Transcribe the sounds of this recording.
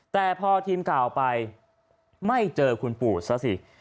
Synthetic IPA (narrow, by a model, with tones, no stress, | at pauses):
t̪ɛː˨˩pʰɔː˧t̪ʰiː˧mkaː˨˩wpa˧j | ma˥˩jt͡ɕɤː˧kʰu˧npuː˨˩t̪̚sa˦˥si˨˩